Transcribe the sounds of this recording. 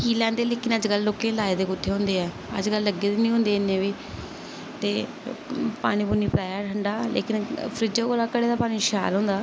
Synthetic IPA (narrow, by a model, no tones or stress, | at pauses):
kiːlɛ̃ːnd̪eːleːkɪnəd͡ʒɡəlːoːkẽːlaːeːd̪eːkʊt̪ʰːeːɦʊ̃ːnd̪eːɛː | ə̰d͡ʒkəlːəɡːeːd̪eːnĩːɦʊ̃ːnd̪eːɪnːẽːʋiː | t̪eː | pa̰ːɽ̃ĩːbuniːpɾaːjaːʈʰəɳɖaːlḛːkɪnpʰɾɪd͡ʒoːkoːlaːkəɽeːd̪aːpaːñĩːʃa̰ːlɦõːnd̪aː